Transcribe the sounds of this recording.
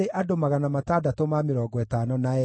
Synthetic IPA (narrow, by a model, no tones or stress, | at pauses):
eʔadomaɣanamatadatomameɾɔːɡɔɛtaːnɔnaɛ